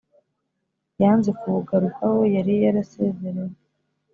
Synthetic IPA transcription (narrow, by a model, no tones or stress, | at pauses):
jaːnze̞kuβuɡaɾukawojaɾijaɾase̞ze̞ɾej